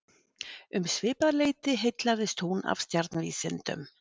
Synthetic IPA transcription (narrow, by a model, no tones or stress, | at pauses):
ʏmsvɪːpaðleːjt̪ɪɦejt̪laðɪst̪huna̰v̥st̪jaɾt̪nvḭːsɪnt̪ʏ̰m